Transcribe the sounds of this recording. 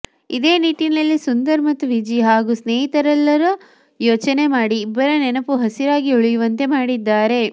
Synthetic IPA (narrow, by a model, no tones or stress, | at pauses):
id̪e̞ːniːʈinɐɐlːisund̪ɐɾmɐt̪ːuʋid͡ʒiɦaːɡusneːɦit̪ɐɾɐlːɐɾu | joːt͡ʃɐne̞maːɽiːbːɐɾɐnɛnɐpuɦɐsiɾaːɡiuɭijuʋɐnt̪e̞maːɽid̪ːaːɾe̞